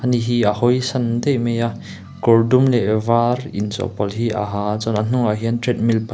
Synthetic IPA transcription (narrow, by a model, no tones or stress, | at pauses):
aniɦiahɔjsɐnd̪ejmeja | kɔrdumlɛvarint͡sɔ̰pɔlɦiʔa̰ɦat͡sɔnan̥uŋaɦiəntɾɛt̪̚milpa